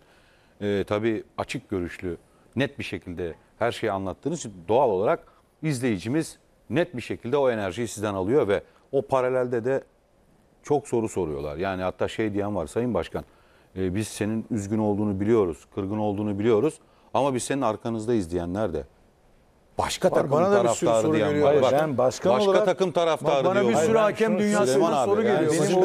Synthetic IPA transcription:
ɛːt̪ʰabiːat͡ʃʰɯk̚ɟø̞ɾyʃlʲy | nɛt̪̚biʃe̞cʰilʲd̪ɛ | hæɾʃejanlˠat̪ʰːɯːnɯzd̪o̞alˠo̞lˠaɾak | izlʲe̞jid͡ʒimiz̥ | nɛt̪̚biʃecʰilʲd̪ɛo̞e̞næɾʒijisizd̪ɛnalˠɯjo̞vɛ | o̞pʰaɾalʲælʲd̪ɛd̪ɛ | t͡ʃʰo̞kso̞ɾuso̞ɾujo̞̰lˠa̰ɾjaːnihat̪ʰːaːʃejd̪ijænvaɾsajɯnbaʃkʰanː | biz̥se̞ninyzɟyno̞lˠd̪uːnubilʲijo̞ɾuz̥kʰɯɾɡɯno̞lˠd̪uːnubilʲijo̞ɾuz̥ | amabizse̞ninaɾkʰanɯzd̪aizlʲijænlʲæɾd̪ɛ̰ | b̥aʃkʰaaanad̪aafst̪aɾɯjaɾibabaʃkʰabalʃˠɾat̪ʰakɯmt̪ʰaɾaft̪aːɾɯisyɾacʰɛmd̪ynjaːsanasoɾuelʲijo

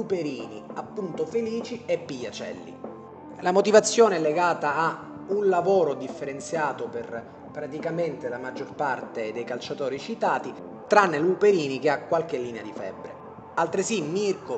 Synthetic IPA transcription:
upeɾiːniapːunt̪ofeliːt͡ʃiepːiʎːat͡ʃɛ̰lːḭ | lamot̪ivat̪sːjoɔːneɛlːeɡaːt̪aː | unlavoːɾod̪ifːeɾent̪sjaːt̪oper | pɾat̪ikament̪elamad͡ʒːorpart̪ed̪ejkalt͡ʃat̪ɔːɾit͡ʃit̪aːt̪i | t̪ɾanːelupeɾiːnik̟eakːwalk̟elːiːnead̪ifɛ̰bːɾḛ | alt̪ɾesimirko

